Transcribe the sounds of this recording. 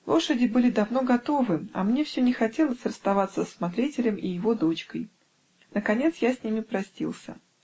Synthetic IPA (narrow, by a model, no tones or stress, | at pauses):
lˠo̞ʂədʲɪbɨlʲɪd̪ɐvno̞ɡɐt̪o̞vɨɐ̰mnʲe̞fsʲynʲɪxɐtʲe̞lˠəsʲrəst̪ɐvat̪sːəsːmɐt̪ɾʲitʲɪlʲəmɪjɪvo̞d̪o̞t͡ɕkəj | nəkɐnʲe̞t̪sjasʲnʲimʲɪpɾɐsʲtʲḭlˠsʲə̰